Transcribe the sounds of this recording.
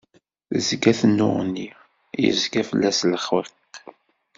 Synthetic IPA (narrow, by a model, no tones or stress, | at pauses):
θzɡæθənːʊ̰ʁnːi | jə̰zkæfəlːæsləχweq